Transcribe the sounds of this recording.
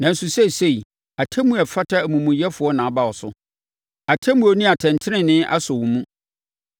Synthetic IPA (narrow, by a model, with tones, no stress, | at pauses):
nã˨n̩˨su˨sɛ˦˨se˦˨i˨ | a˨tʰɛ˦mũ˦ɛ˨fa˦tʰa˦˨mũ˨mũ˨jɛ˦fʊ˨ɔ˦nã˨ba˦˨wɔ˨sʊ˦ | a˨tʰɛ˦mũ˨o˨nũ˦a˨tʰɛ̃˨ntʰɪ˦nɪ̃˦nɪ̃˦ʔa̰˦sɔ˨wu˨mũ˦